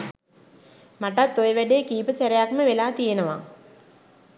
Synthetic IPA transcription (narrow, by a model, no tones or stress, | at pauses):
maʈat̪ːojəʋæɖeːkiːpəsæɾejakməʋelaːt̪ijenəʋa̰